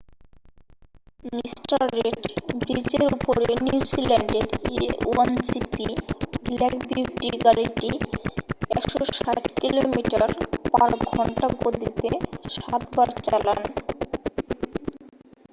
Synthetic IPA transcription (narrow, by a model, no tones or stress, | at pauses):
misʈaɾːeɖbit͡ɕeɾupoɾeenizilɛɳɖeɾṵend͡ʑipiblɛkbiʈiɡaɾiʈi | ɛkʃoʃaʈkilomiʈaɾpaɾɡʱɔɳʈaɡod̪ʱit̪eʃat̪baɾt͡ɕalan